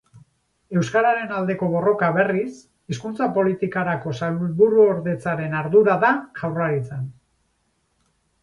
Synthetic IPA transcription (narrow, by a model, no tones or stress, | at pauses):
e̞wskaɾaɾe̞nald̪e̞ko̞β̞o̞ro̞kaβe̞ris | iskunt͡sapo̞lit̪ikaɾako̞salβuɾuoɾðe̞t͡saɾe̞naɾðuɾaðaʝawraɾit͡san